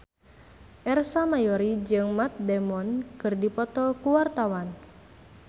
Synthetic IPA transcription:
ʔɛrsamajɔɾid͡ʒɨŋmat̪̚dɛmɔnkɨrdipɔt̪ɔlkuwart̪awan

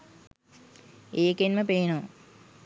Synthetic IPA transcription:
eːkenməpeːno

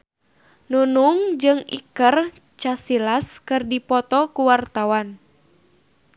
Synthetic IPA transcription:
nunuŋd͡ʒɨŋḭkər | t͡ʃasilaskɨrdipɔt̪ɔkuwart̪awan

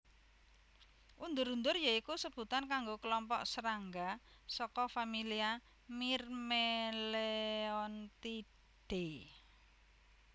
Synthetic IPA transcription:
ʔund̪ʊɾund̪ʊrjaikusəb̥ṳt̪ankaŋɡokəlɔmpɔʔsəɾaŋɡa | sɔkɔfamilia | mirmeleɔnt̪i | ɖ̥e

